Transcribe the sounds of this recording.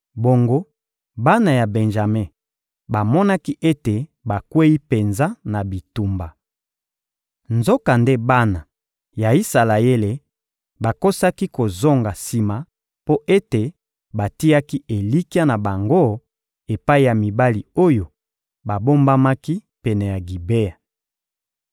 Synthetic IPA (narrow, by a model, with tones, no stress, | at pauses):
bo˨ŋɡo˦ | ba˦na˨ja˨bɛ˨nʒa˨me˦ | ba˨mɔ˦na˦ki˦ʔe˦te˨ba˨kwe˦i˦pe˨nza˦na˨bi˨tu˨mba˨ | nzo˦ka˨nde˦ba˦na˨ | ja˨i˦sa˨la˨e˦le˨ | ba˨ko˦sa˦ki˦ko˨zo˦ŋɡa˨si˨ma˨ | po˦ʔe˦te˨ | ba˨ti˦ja˦ki˦e˨li˦ki˦a˦na˨ba˨ŋɡo˦ | e˨pa˦i˨ja˨mi˨ba˦li˨o˦jo˨ | ba˨bo˦mba˦ma˦ki˦pɛ˨nɛ˨ja˨ɡi˨be˦ja˨